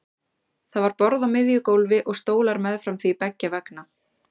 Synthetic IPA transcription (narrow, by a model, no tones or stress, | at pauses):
θaðvaɾpɔɾðawmɪðjʏkowlvɪʔɔɣst̪oːwlaɾmɛðfɾamθipɛcːavɛkna